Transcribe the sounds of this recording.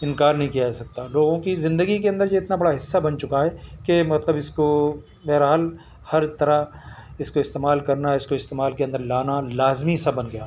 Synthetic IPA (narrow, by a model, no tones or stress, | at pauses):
ɪ̃nkaːɾnəɐɦĩkijad͡ʒasɐk̚t̪aloːɡõkizɪ̃nd̪əɡikeɐ̃nd̪əɾjeɪt̪nabɐɽaɦɪsːabɐnt͡ʃʊkaɦɛkemɐt̪ləbɪsko | meːɾɦaːl | hɐɾt̪ɐɾaɪskoɪst̪eːmaːlkɐɾnaɪskoɪst̪eːmaːlkeɐ̃nd̪əɾlaːnalaːzmisɐbɐnɡɐjaː